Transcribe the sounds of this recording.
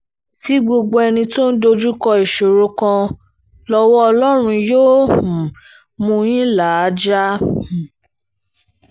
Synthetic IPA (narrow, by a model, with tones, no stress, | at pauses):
si˨˦ɡ͡bo˧ɡ͡bo˧ɛ˧nĩ˧to˦n̩˦do˧d͡ʒu˦kɔ˧i˨ʃo˨ɾo˧kã˧ | lɔ˧wɔ˦ɔ˧lɔ˦ɾ̃ũ˧joː˦hũ˨ | mũ˧j̃ĩ˦la˨˦d͡ʒa˦˨